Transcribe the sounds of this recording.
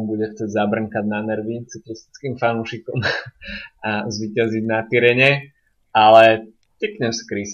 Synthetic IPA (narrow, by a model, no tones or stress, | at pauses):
mbuɟɛxt͡sɛɟzabr̩ŋkaɟnanɛɾʋit͡siklist̪i̥t͡skimfanuːʃikɔm | azʋicaziɟnat̪iɾɛɲɛ | alɛ | t̪ikɲɛfskɾis